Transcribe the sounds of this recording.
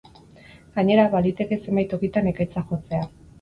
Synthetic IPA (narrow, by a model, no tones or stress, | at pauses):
ɡaɲe̞ɾaβalit̪e̞ke̞se̞mbajt̪o̞kit̪anekajt͡saxo̞t͡se̞a